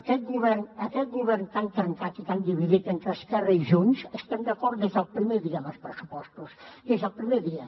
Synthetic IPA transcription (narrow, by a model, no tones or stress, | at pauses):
kɛt̪̚ɣuβɛɾnəkɛt̪̚ɣuβɛɾnt̪ant̪ɾəŋkat̪it̪and̪iβiðit̪ent̪ɾəskɛrəiʒunsəst̪end̪əkɔɾt̪ezəlˠpɾimeðiɐməlˠspɾəsu̥pɔst̪usezəlˠpɾimeðiə